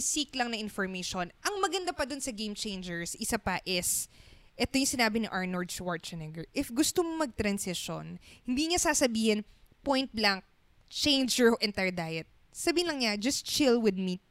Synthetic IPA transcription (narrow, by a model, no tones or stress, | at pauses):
siklɐŋnɐʔɪnfoɹmejʃonʔɐŋmɐɡɐnd̪apɐd̪onsɐɡejmt͡ʃejnd͡ʒɛɹsʔɪsapɐʔɪsʔɛt̪ojʊŋsɪnaːbɪniʔaɹnoɹd̪̚t͡ʃwaɹt̪̚t͡ʃɛnɛɡɛɹʔɪfɡʊst̪omomɐɡ̚t̪ɾɐnsɪʃo̰nhɪnd̪iŋɐsaːsɐbiːhɪn | pojnt̪̚blaŋk̚ | t͡ʃẽjnd͡ʒɛoʔɛnt̪ɛɹd̪ajɛt̪̚ | sɐbiːhɪnlɐŋɲad͡ʒɐst̪̚t͡ʃɪlwɪd̪̚mi